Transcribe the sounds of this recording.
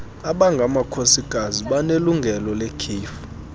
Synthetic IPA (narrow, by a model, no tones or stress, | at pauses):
aɓaŋɡʱamakʰosiɡ̥ʱaziɓaneluŋɡʱɛlɔlekʰiːfu̥